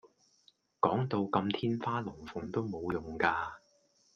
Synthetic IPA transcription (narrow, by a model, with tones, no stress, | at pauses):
kɔː˨˥ŋt̪o˧wkɐ˧mt̪ʰiː˥nfaː˥lɔː˨˩ŋfʊ˨˥ŋt̪o˥wmo˨˧wjʊ˨ŋkaː˧